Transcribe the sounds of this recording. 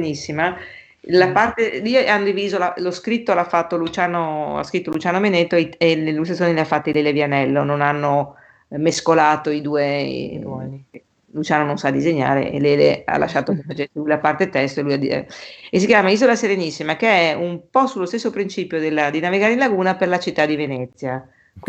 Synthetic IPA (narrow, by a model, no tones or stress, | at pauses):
nisːima | lapart̪eioanːod̪iviːzolaloskɾit̪ːolafːat̪ːolut͡ʃaːnoa̰skɾit̪ːolut͡ʃaːnomenet̪ːoeenelːust̪esoneliafːat̪ːileːlevjanɛlːononanːo | meskolaːt̪oid̪uːḛnwɔnike | lut͡ʃaːnononsad̪ːizeɲːa̰ːɾḛḛleːlḛa̰lʔa̰ʃːaːt̪okefat͡ʃeselujlapart̪et̪ɛst̪oelujad̪ḭes̬ikjaːmaiːzolaseɾenisːimakeɛumpɔsulːost̪esːopɾint͡ʃiːpjod̪elːad̪inaviɡaːɾeinlaɡuːnaperlat͡ʃit̪ːad̪ivenɛt̪sːja